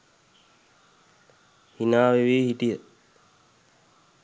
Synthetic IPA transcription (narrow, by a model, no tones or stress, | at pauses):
hinaːʋeʋeːhiʈijə